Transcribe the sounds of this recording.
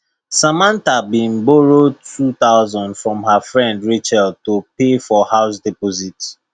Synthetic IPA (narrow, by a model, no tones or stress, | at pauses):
samãntabĩnboɹotʰut̪aʊzɔ̃ndfɹɔ̃mɦafɹɛ̃ndɹit͡ʃɛltopefɔhaʊs̬dɛpɔzit